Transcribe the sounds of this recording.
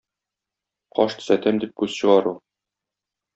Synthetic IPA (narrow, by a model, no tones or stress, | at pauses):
qɒʃt̪ɵ̥̆zæt̪æmd̪ip̚kʉz̥ɕɤ̆ʁɑɾu